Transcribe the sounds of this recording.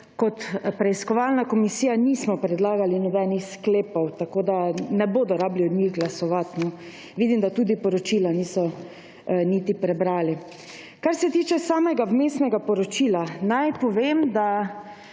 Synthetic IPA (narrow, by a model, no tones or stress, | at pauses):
kɔt̪pɾɛiskɔʋalnakɔmisijaniːsmɔpɾɛd̪laːɡalinɔbɛnixskleːpɔwt̪akoːd̪anɛboːd̪ɔɾaːbliɔd̪ɲiɣɡlasɔʋat̪nɔ | ʋiːd̪imd̪at̪uːd̪ipɔɾɔt͡ʃilaniːsɔ | niːt̪ipɾɛbɾaːli | kaɾsɛt̪iːt͡ʃɛsaːmɛɡawmeːsnɛɡapɔɾɔt͡ʃiːlanajpɔʋemd̪a